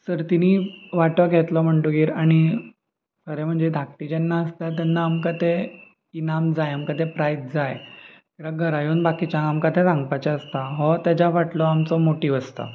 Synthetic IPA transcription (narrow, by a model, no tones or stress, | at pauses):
səɾt̪iniːʋaʈəɡʱɛt̪lɔm̤əɳʈuɡiːɾaɽ̃i | kəɾɛm̤əɳd͡zed̪ʱak̚ʈ̪id͡ʑɛnːaəst̪at̪̬janːaːmkat̪e | inamd͡zajamkat̪epɾajt̪̚d͡zajkiʋʋaɡʱəɾajuːnbakit͡ɕãɡamkat̪ʰesãŋɡpat͡ɕaəst̪aɦɔt̪jad͡ʑaʋaʈlɔamt͡sɔmoʈiːʋəst̪a̰